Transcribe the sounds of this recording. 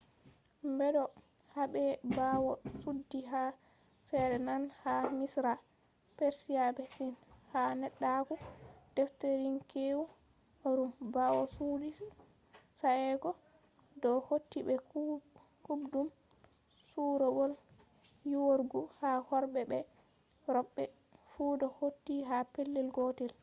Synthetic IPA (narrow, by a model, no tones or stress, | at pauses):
mbɛdɔ | habɛbawɔsudːiɦa | sɛdɛnanhamisɾa | peɾsiabɛsinhanɛɗːakud̥ɛfteɾinkewu | ɾumbawɔsudi | saɛɡɔ | dɔhotːibɛk | kubdum | suɾɔɡɔl | juwoɾɡuhahɔɾbɛbɛ | ɾɔɓːɛ | fuːdɔhotːiɦapelːilɡotil